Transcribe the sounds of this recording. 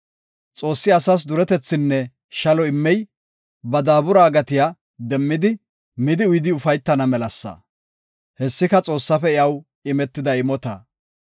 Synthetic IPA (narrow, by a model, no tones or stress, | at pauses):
t͡sʼo̞ːsːɪɐsɐs̬d̪ʊɾɛt̪ɛt͡sːɪnːɛ | ʃɐlɔɪmːɛj | bɐd̪aːbʊɾaːɡɐt̪ɪja | d̪ɛmːɪd̪ɪ | mɪd̪ɪʊjd̪ɪʊfɐjt̪ːɐnɐmɛlɐsːɐ̰ | hɛsːɪkɐt͡sʼo̞ːsːɐfɛɪɐw | ɪmɛt̪ːɪd̪ɐɪmɔt̪ɐ